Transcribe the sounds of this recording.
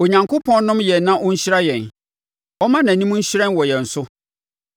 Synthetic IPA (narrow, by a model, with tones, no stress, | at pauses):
o˨ɲã˨ŋkʰʊ˦pʰɔ̃˦n˦nʊ̃˦mjɛ˨nːã˦ʔʊ̃˦ɲ̩˦ɕɪ˦ɾa˦jɛ̃˨n | ɔ˦mã˦nã˨nĩ˦mũ˦ɲ̩˦ɕɪ˦ɾɛ̃˦nwɔ˨jɛ˨n̩˨sʊ˦